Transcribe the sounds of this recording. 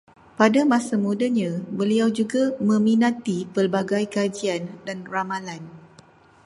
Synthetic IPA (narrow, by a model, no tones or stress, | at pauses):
padamãsamudaɲãbəliawd͡ʒuɡamə̃minat̪ipərbaɡajkad͡ʒiandanramalan